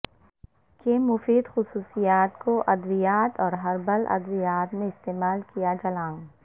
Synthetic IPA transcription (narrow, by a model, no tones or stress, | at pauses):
keːmːʊfiːd̪xʊsuːsijaːt̪koʔɐd̪ʋijaːt̪ɔːɾɦɐɾbɐlɐ̰d̪ʋijaːt̪mẽɪst̪eːmaːlkijad͡ʒɐlãːŋ